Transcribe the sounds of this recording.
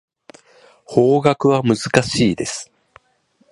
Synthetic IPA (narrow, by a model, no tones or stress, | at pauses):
ho̞ːɡakɯ̟βamɯ̟zɨkaɕiːd̪e̞sɨ̥